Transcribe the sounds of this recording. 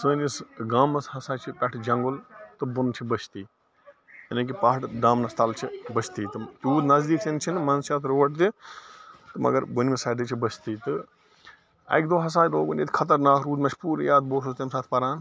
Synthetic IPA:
sɨːnʲɐsɡaːmɐshɐsaːt͡ʃʰipʲɐʈʰd͡ʒɐŋɡʊlt̪ɨbunt͡ʃʰibɐt͡ʃʰt̪iː | ɐnɐk̬ipaːɦɐʈɖaːmnɐst̪ɐlt͡ʃʰibɐt͡ʃʰt̪iːt̪ɨt̪uːd̪nɐzd̪iːk̚t̪int͡ʃʰinmɐnsjaːt̪ʰɾoːʈ̚d̪i | t̪ɨmɐ̰ɡɐɾbunmisaːɖit͡ʃʰibɐst̪iːt̪ɨ | ɐ̰jkd̪oːɦɐs̬aːjloːɡunʲḭːt̪ʰʲkʰɐt̪̬ɐɾnaːkʰɾuːd̪mɐt͡ʃʰpuːɾijaːd̪̚boːsust̪emsaːt̪ʰpɐɾaːn

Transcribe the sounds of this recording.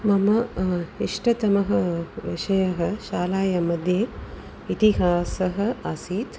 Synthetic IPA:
mɐmɐiʂʈɐt̪ɐmɐɦɐʋḭʂɐjɐɦɐ̆ʃaːlaːjɐmɐd̪ʱjeː | it̪iɦaːsɐɦɐ̆ɐsiːt̪

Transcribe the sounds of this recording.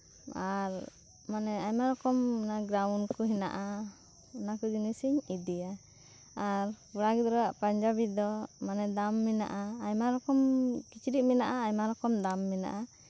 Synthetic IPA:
aɾ | manɛajmaɾɔkɔmɔnaɡɾawnkɔɦina̰ʔa | unakɔɡinisiɲid̪ija | aɾpuɽaɡɛd̪ɔɾaʔpaɲd͡ʒabid̪ɔmanɛd̪amːina̰ʔaːjmaɾɔkɔmkit͡ʃɾiʔ̚minaʔaːjmaɾɔkɔmd̪amːina̰ʔa

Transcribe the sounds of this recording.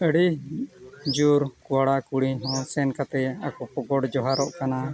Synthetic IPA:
əɽi | d͡ʒuɾkuwaɽakuɽiɲɦɔ̃sɛnkat̪ɛakɔpɔɡɔɽd͡ʒɔɦaɾɔʔkana

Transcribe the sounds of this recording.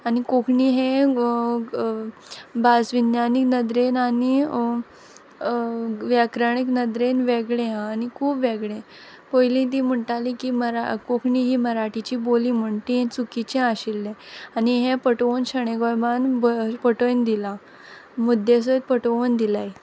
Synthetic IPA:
anikokʰɳiːɦẽ | bad͡zʋinjaniknəd̪ɾenani | ʋjakɾaɳiknəd̪ɾenʋeɡɭẽɦãːnikʰuːpʋeɡɭẽ | pojlĩt̪̬iːm̤əɳʈalĩkiːməɾakokʰɳiːɦiːməɾaʈit͡ɕiːbolĩːm̤əɳʈiɦẽt͡sukit͡ɕẽaɕilːẽaniɦẽpəʈəʋənɕəɽ̃eɡɔjbanbpəʈənd̪ila | mud̪ʱes̬ət̪̚pəʈəʋənd̪ilaj

